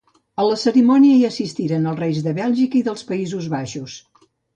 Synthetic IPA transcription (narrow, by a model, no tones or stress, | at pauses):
ələsəɾimɔniəiəsist̪iɾənəlˠrejzðəβɛlˠʒikəiðəlˠspəizuzβaʃus